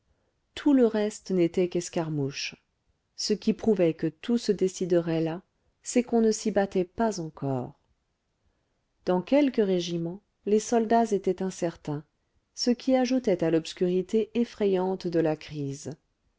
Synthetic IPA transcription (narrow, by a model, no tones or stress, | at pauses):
t̪ʰuləʁɛst̪net̪ɛkɛskaʁmuʃ | səkʲipχuvɛkət̪ʰusəd̪esid̪əʁɛla | sɛkɔ̃nəsibat̪ɛpazɑ̃kʰɔ̰ːʁ | d̪̥ɑ̃kʲɛlkəʁeʒimɑ̃ | lesɔld̪azet̪ɛt̪ɛ̃sɛʁt̪ɛ̃ | səkʲiaʒut̪ɛt̪alɔpskʲyʁit̪eʔefχɛjɑ̃t̪d̪əlakχiːz